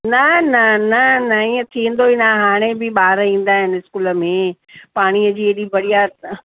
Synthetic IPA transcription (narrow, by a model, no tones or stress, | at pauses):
nɐnɐnɐnɐĩːə̃t̪ʰĩːə̃n̆d̪oinaɦaːɽ̃ebɪɓaːɾĩːn̆d̪aːɦɪnɪɪskuːlə̆mẽː | paːɽ̃iəd͡ʑiːeːɗibɐɽija